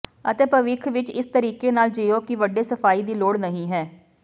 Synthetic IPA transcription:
ət̪eːpəʋɪkʰʋɪt͡ʃɪst̪əɾiːkeːnaːld͡ʒeːoːkɪʋəɖeːsəpʰaːiːd̪iːloːɽnəɦĩːɦɛː

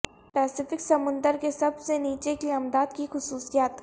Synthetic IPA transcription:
pɛːsɪfɪksɐmʊ̃nd̪əɾkesɐbseniːt͡ʃekɪlaːmd̪aːd̪kixʊsuːsijaːt̪

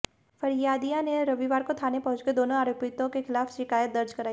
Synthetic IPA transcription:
fɐɾjaːd̪ijãneɾɐʋiʋaːɾkot̪ʰaːnepɐɦʊ̃t͡ʃked̪oːnõaːɾoːpɪt̪õkexɪlaːfʃɪkaːjət̪̚d̪ɐɾd͡ʒkɐɾaːi

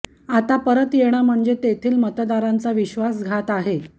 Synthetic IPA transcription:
at̪apəɾət̪jeɽ̃am̤əɳd͡zet̪et̪ʰiːlmət̪d̪aɾant͡saʋiɕʋasɡʱat̪aɦe

